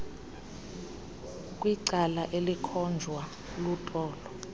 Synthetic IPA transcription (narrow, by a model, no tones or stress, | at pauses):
kʼwiǀalaʔelikʰɔnd͡ʒʱwa | lutʼɔːlɔ